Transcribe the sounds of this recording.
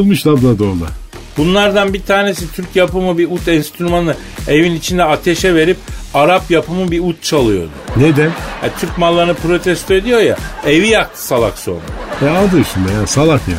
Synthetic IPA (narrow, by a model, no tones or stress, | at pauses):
lˠmɯʃlˠablˠad̪oɾlˠa̰ | bunlˠaɾd̪anbit̪ʰaːne̞sit̪ʰyɾcjapɯmɯbiut̪ʰɛnst̪ʰyɾumanɯ | evinit͡ʃʰind̪ɛat̪ʰeʃɛve̞ɾip̚aɾapjapʰɯmɯbiut̪̚t͡ʃʰalˠɯjo̞̰d̪ʊned̪ænha̰t̪ʰyɾcmalˠːaɾnɯpɾo̞t̪ʰɛst̪ʰoe̞d̪ijo̞ja̰e̞vijak̚t̪ʰɯ̥salˠa̰kso̞̰na̰ɛad̪ɯʃɯnd̪ajasalˠakja̰